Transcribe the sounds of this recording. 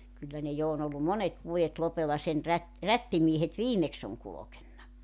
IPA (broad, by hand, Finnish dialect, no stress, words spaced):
kylːæ ne jo on olːu monet ʋuojet lopelːɑ sen ræt rætːimiehet ʋiːmeks oŋ kulokenːɑ